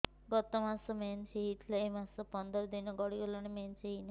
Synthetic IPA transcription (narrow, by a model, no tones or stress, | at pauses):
ɡɔt̪ɔmasɔmenseɦit̪ʰlaemasɔpɔnd̪ɔɾd̪inɔɡɔɽiɡɔlɔñemenseɦin